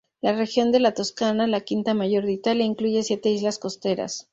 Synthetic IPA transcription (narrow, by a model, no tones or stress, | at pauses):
lare̞xjo̞nd̪e̞lat̪o̞skanalakint̪amaʝo̞ɾðit̪aleiŋkluʝesje̞t̪e̞izlasko̞st̪e̞ɾa̰s